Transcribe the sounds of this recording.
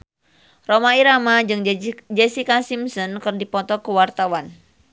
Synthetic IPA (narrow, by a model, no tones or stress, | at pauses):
romaiɾamad͡ʒɨŋd͡ʒɛsikasimsɔnkɨrdipɔt̪ɔkuwart̪awan